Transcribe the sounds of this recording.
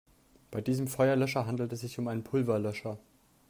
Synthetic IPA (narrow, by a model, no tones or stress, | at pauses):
b̥aɪdiːzəmfɔʏɐlœʃɐɦandl̩tɛsz̥ɪçʊmaɪnənpʰʊlvɐlœʃɐ